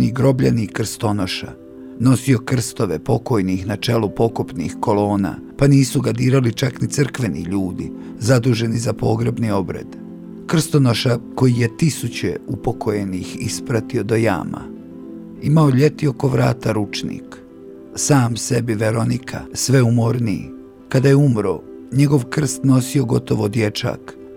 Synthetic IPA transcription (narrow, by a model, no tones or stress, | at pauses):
niɡɾo̞bʎa̰nikr̩st̪o̞no̞ʃa̰ | no̞sio̞kr̩st̪o̞ʋepo̞ko̞jnixnat͡ʃe̞lupo̞kupnḭxko̞lo̞ːna̰paniːsuɡad̪iːɾalit͡ʃaknit̪sr̩kʋe̞nḭʎuːd̪i | zad̪uːʒe̞nizapo̞ɡɾebnio̞bɾḛd̪ | kr̩st̪o̞noʃako̞jije̞t̪isut͡ɕeupo̞kʰoje̞nixispɾat̪io̞d̪o̞ja̰ːma̰ | imaoʎe̞t̪io̞ko̞ʋɾa̰ːt̪aɾut͡ʃnḭk | saːmse̞biʋe̞ɾo̞nikʰa̰sʋe̞umo̞ɾniḭ | kad̪ajeumɾo | ɲe̞ɡo̞ʋkr̩st̪no̞sio̞ɡo̞t̪o̞ʋo̞d̪je̞t͡ʃa̰k